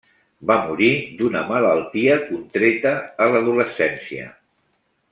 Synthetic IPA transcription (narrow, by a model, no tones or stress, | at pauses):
bamuɾid̪unəmələlˠt̪iəkunt̪ɾet̪əːləðuləsɛnsiə̰